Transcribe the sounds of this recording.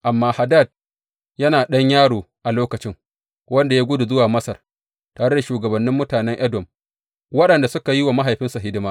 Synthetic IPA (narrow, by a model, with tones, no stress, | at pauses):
ʔa˨mːaː˦ha˨da˦˨d̚ | jɐ˦naː˨ɗɐ˦ɲjaː˦ɽoː˨ʔa˨loː˦kɐ˨t͡ʃɪ˦ŋ | wɐ˦nda˨jaː˦ɡʷʊ˦du˨zʊ˦waː˨mɐ˦sɐ˨r | taː˨ɽe˦da˨ʃuː˨ɡɐ˨bɐ˨nːɪ˦mːʊ˦taː˨nɛ˦ŋʔɐ˦dɔ˨m | wɐ˦ɗɐ˨nda˨sʊ˦ka˨ji˦waː˨ma˦ɦa˨jɸɪ˦nsa˨ɦɪ˦dɪ˦maː˦